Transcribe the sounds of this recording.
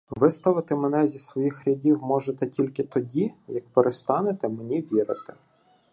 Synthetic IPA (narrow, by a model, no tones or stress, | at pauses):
ʋɪst̪ɐʋɪt̪ɪmenɛzʲisʋɔjixɾʲɐdʲiwmɔʒet̪ɛtʲilʲkɪt̪ɔdʲijɐk̚peɾʔest̪ɑnet̪ɛmenʲiʋʲiɾɪ̰t̪ɛ̥